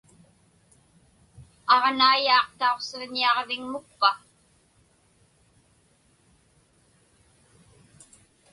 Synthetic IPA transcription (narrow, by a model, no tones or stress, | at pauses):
ɑʁnaːjɑːqt̪aoqsɪʁɲiɑʁvɪŋmʊk̚pa